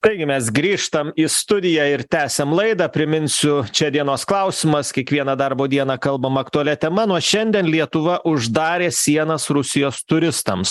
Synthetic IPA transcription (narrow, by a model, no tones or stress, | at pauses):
t̪ɐɪɡʲɪmʲɛsɡɾʲiːʃt̪ɐmiːst̪ʊd̪ʲɪjæːɪɾt̪ʲæːsʲɛmlˠɐɪd̪ɑːpʲɾʲɪmʲɪnʲsʲʊt͡ʃʲɛd̪ʲiɛnoːsklˠɐʊsʲɪmɐskʲiɛkʋʲiɛnɐd̪ɐrboːd̪ʲiɛnɑːkɐlˠbɐmɐkt̪ʊɐlʲɛt̪ʲɛmɐnuɔʃʲɛnʲd̪ʲɛnlʲiɛt̪ʊʋɐʔʊʒd̪ɑːɾʲeːsʲiɛnɐsɾʊsʲɪjoːst̪ʊɾʲɪst̪ɐms